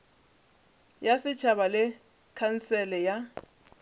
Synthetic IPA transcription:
jasɪt͡ʃʰabalɛ | kʰansɛlɛja

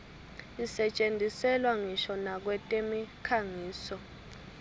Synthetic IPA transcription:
isɛt͡ʃʼendʱisɛlwaŋiʃɔnak̬wɛtʼemikʰaŋiːsɔ

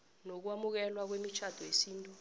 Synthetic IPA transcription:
nok̬wamuk̬ɛlwak̬wemit͡ʃʰad̥ʰʱɔjesiːntʼu

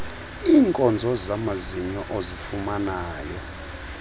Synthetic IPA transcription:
iːŋkʼɔnd͡zʱɔzamaziɲɔʔozifumanaːjɔ

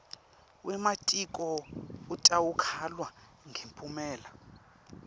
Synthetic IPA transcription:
wʔɛmatʼikʼɔutʼawukʰalwa | ŋʱempʰʼumɛːla

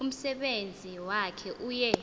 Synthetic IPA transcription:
um̩sɛɓend͡zʱiwakʰɛʔuːjɛ

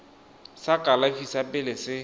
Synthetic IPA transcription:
sakʼalafisapʼɪlɪsɪ

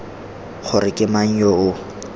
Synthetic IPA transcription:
χʰʊrɪkʼɪmaŋ̩jɔʊ

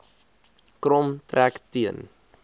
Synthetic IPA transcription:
kromt̪rɛːkt̪iən

